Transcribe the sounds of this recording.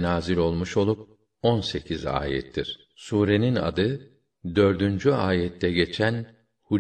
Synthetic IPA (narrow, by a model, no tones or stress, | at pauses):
naːzilʲo̞lˠmuʃo̞lˠup̚ | ɔnse̞cʰiza̰ːjɛ̰t̪ʰːiɾ̥ | suːɾe̞nina̰d̪ɯ | d̪ø̞ɾd̪ynd͡ʒyaːjɛt̪ʰːɛɟe̞t͡ʃʰæn | hu